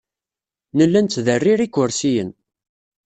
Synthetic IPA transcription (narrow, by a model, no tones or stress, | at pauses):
nəlːænt̪ːðərːiɾikːʊɾsijə̰n